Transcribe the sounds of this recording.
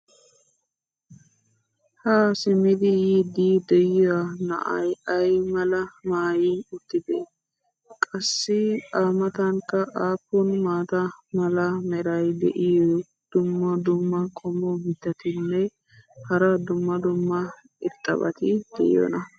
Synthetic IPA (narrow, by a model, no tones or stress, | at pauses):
hasɪmɪd̪ɪjid̪id̪ɛjɔwanɐ̰ʔɐ̰jɐjmɐlɐmaːjiʊt̪ːɪd̪ḛː | kʼɐsːɪaːmɐt̪ɐŋkːɐʔaːpːɔnmaːt̪ɐmɐlɐmɛɾɐjd̪ɛ̰ʔɪjɔ | d̪̥ʊmːɐd̪ʊmːɐkʼɔmɔmɪt̪ːɐt̪ɪnːɛ | hɐɾɐd̪ʊmːɐd̪ʊmːɐ | ɪt̪ʼːɐ̰bɐ̰t̪ɪd̪̥ɛʔɪ̰jɔ̰nɐ